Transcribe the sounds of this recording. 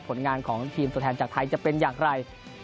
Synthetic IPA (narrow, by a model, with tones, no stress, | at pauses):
pʰo˩˦nŋaː˧nkʰɔː˩˦ŋt̪ʰiː˧mt̪ʰo˧t̪ʰːnt͡ɕaː˨˩k̚t̪ʰa˧jt͡ɕa˨˩pe˧njaː˨˩ŋɾa˧j